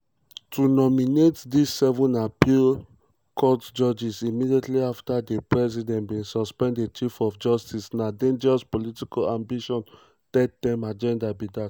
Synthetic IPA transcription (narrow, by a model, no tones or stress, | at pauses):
tʰunɔminetdisːɛvɔ̃napil | kʰɔtd͡ʒɔd͡ʒisimidietliaftadepɹɛzidɛ̃ntbĩnsɔspɛ̃nddet͡ʃifɔfd͡ʒɔstisnadẽnd͡ʒɛɹɔspolitikalãmbiʃɔ̃n | tɛd̚dɛ̃mad͡ʒɛ̃ndabidat